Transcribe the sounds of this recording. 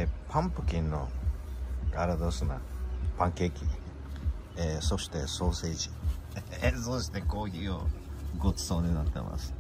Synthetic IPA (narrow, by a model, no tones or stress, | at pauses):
pʰãmpɯ̟̥kʲĩnːo̰ | ɡaɾad̪osɨna̰pãŋkeːkʲi | eso̞ɕi̥t̪e̞soːseʑi̥ | soɕi̥t̪e̞koːçʲio̰ɡot͡sɨ̥soːɲ̟inat̪ːḛma̰sɨ̥